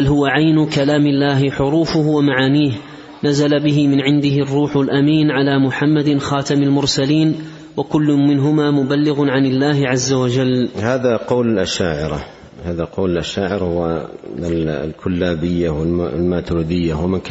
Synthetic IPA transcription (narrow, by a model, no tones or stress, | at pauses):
halhʊwaʕajnʊkalaːmɪlːaːɦɪħʊɾuːfʊhwamaʕaːniːh | nazalabɪɦɪmɪnʕɪnd̪ɪɦɪrˤːuːħʊlʔamiːnʕalaːmʊħamːad̪ɪxɑːt̪amalmʊɾsaliːn | wakʊlːʊmɪnɦʊmaːmʊbalːɪɣʊnʕanɪlːaːɦɪʕazːawad͡ʒalːhaːðaqɑwlɪlʔaʃaːʕɪɾɑ̰ | haːðaqɑwlɪlʔaʃaːʕɪɾahʊwa | lkʰʊlːaːbɪjːawɪllmaːt̪ɾuːd̪ɪjːawmɪnk